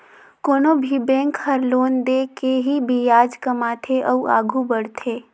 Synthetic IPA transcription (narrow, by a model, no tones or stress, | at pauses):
koːnobʱibɛ̃ːŋkhɐɾloːnd̪eːkeɦibʱijaːd͡ʒkɐmaːt̪ʰeʔəuʔa̰ːɡʱubəɽt̪ʰeː